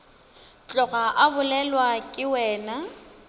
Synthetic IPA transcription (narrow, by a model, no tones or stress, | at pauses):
t͡ɬʼɔɣaʔabʊlɛlwakʼɪwɛːna